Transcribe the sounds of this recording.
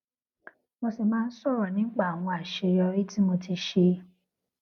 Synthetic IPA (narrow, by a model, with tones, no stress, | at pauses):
mo˧se˨mãː˦n̩˦sɔ˦˨ɾɔ˨nĩ˨˦k͡pa˦˨a˨w̃ɔ̃˧a˨ʃe˧jɔ˧ɾi˦ti˦mo˧ti˧ʃe˧